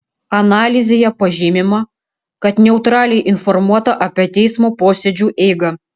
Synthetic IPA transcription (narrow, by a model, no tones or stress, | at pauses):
ɐnɑːlʲɪzʲejɛpɐʒʲɪmʲɪmɐ | kɐt̪nʲɛʊt̪ɾɑːlʲɛjʔɪnfɔɾmuɔt̪ɐʔɐpʲiɛt̪ʲɛɪsmoːpoːsʲɛd͡ʒʲuːʔɛɪɡɐ